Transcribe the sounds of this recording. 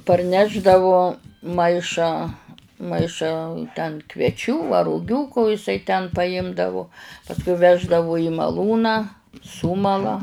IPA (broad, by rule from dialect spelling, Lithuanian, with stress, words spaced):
pɐrʲˈnʲæːʒdɐʋʊ ˈmɐɪʃɑː ˈmɐɪʃɑː tʲɛn kʋʲiɛˈt͡ʃʲuː ɐ rʊˈɡʲuː koː ɪˈsɐɪ tʲɛn pɐˈɪmdɐʋʊ pɐsˈkʊɪ ˈʋʲæːʒdɐʋʊ ɪ mɐˈlˠuːnɑː ˈsʊmɐlˠɐ